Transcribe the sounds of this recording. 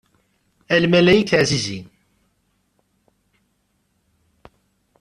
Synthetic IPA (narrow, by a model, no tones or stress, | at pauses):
ælmælæjikaʕzizḭn